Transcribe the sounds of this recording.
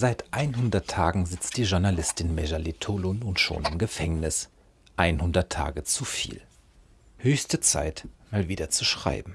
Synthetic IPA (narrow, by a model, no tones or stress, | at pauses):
z̥aɪtʔaɪnɦʊndɐtʰːaːɡŋ̩zɪt͡std̥iːʒʊɐnalɪstɪnmɛʒalitʰolʊnʊntʃo̰ːnɪmɡəfɛŋnɪs | ʔaɪnhʊndɐtʰːa̰ːɡət͡sufḭːl | høːçstət͡sa̰ɪtmaːlviːdɐt͡suʃʁ̥a̰ɪbm̩